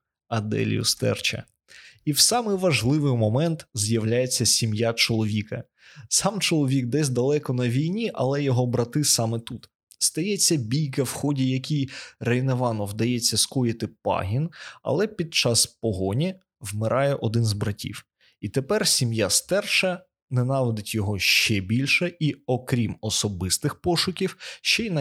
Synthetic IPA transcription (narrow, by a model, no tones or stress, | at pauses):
ɐd̪ɛ̰l̰ʲjʊ̰st̪ɛ̰rt͡ʃɐ̰ | iwsɑmɪjʋɐʒlˠɪʋɪjmɔmɛnt̪zjɐwlʲajet͡sʲːɐsʲimjat͡ʃɔlˠɔʋʲikɐ | sɑmt͡ʃɔlˠɔʋʲikd̪ɛsʲd̪ɐlˠɛkɔnɐʋʲijnʲiʔɐ̰lˠɛjɔɦɔbɾɐt̪ɪsɑmɪt̪ut̪ | st̪ɐjɛt͡sʲːɐbʲijkɐwxɔdʲijɐkʲijrejneʋɑnɔwd̪ɐjɛt͡sʲːɐskɔjɪt̪ɪpɑ̰ɦʲinɐ̰lˠɛpʲid̪̚t͡ʃɑspɔɦɔnʲi | wmɪɾʔɑjɛʔɔd̪ɪnzbɾɐtʲḭw | it̪epɛrsʲimjast̪ɛrʃɐ | nɛnɑʋɪd̪ɪtʲjɔɦɔʃt͡ʃɛbʲilʲʃɛiɔkɾʲimɔsɔbɪst̪ɪxpɔʃʊkʲiwʃt͡ʃɛn